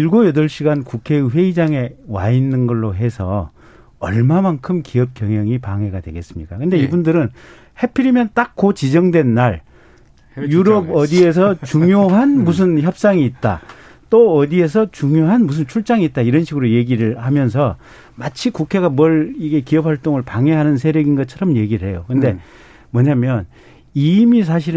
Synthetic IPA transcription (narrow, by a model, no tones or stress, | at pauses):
iɭɡojʌdʌɭɕ͈ʰiɡankukʰe̞ɯɸwe̞id͡ʑaŋe̞wa̰inːɯnɡʌɭːoɦe̞sʰʌ̰ | ʌ̰ɭmamankʰɯmkiʌp̚k͈jʌŋɦjʌŋipaŋe̞ɡadwe̞̰ɡe̞s͈ɯmɲik͈akɯnde̞ibundɯɾɯn | he̞pʰiɾimjʌnt͈ak̚k͈ːot͡ɕid͡ʑʌŋdwe̞nːaɭ | juɾʌbʌdie̞s̬ʰʌt͡ɕuŋjoɦanmus̬ʰɯnçjʌp̚s͈aŋiːt̚t͈a̰ | t͈oʌdie̞s̬ʰʌt͡ɕuŋjoɦanmus̬ʰɯnt͡ɕʰuɭt͡ɕ͈aŋiːt̚t͈aiɾʌnɕʰiɡɯɾoje̞ɡiɾɯɭhamjʌns̬ʰʌ | mat͡ɕʰikukʰe̞ɡamwʌɭiɡe̞kiʌp̚hwaɭt͈oŋɯɭpaŋe̞ɦanɯnsʰe̞ɾjʌɡinɡʌt̚t͡ɕʰʌɾʌmje̞ɡiɾɯɭɦe̞jokɯnde̞ | mʌɲamjʌn | imis̬ʰaɕ̬ʰiɾɯ